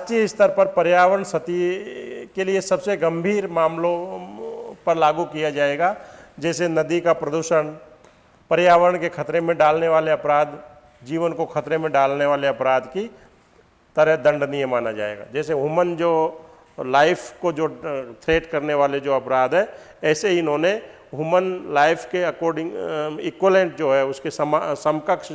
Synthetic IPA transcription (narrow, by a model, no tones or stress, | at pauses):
t͡ʃiɪst̪əɾpɐɾpɐɾjaːʋəɾəɳsɐt̪i | keliesɐbseɡɐ̃mbʱiːɾmaːmlõ | pɐɾlaːɡukijad͡ʒaːeːɡad͡ʒɛːsenɐd̪ikapɾəd̪uːʃən | pɐɾjaːʋəɾəɳkekʰɐt̪ɾemẽɖaːlneʋaːleɐpɾaːd̪ | d͡ʒiːʋənkokʰɐt̪ɾemẽɖaːlneʋaːleɐpɾaːd̪ki | t̪əɾɛɦd̪ə̃ɳɖnɪjə̃maːnad͡ʒa̰ːḛːɡa̰ːd͡ʒɛːseɦuːmənd͡ʒoː | laːɪpʰkod͡ʒoːt̪ʰɾeːʈkɐɾneʋaːled͡ʒoːɐpɾaːd̪ɦɛː | ɛːseiɪnɦõːne | ɦuːmənlaːɪpʰkeɐkɔːɾɖɪ̃ŋɪkwelẽːɳʈ̚d͡ʒoːɦɛʊskessəmkəkʃ